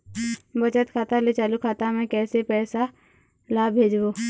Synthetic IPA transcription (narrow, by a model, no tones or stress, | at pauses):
bət͡ʃət̪kʰaːt̪alet͡ʃaːlukʰaːt̪amɛ̃kɛːsepɛːsa | laːbʱeːd͡ʒboː